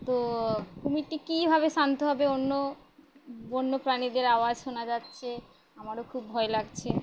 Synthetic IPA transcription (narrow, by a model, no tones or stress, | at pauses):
t̪okumiʈikibʱabeʃant̪oɦɔbeonːo | bonːopɾanid̪eɾaoad͡ʑʃonad͡ʑatːɕʰe | amaɾokʰubːʱɔelaɡt͡ɕʰe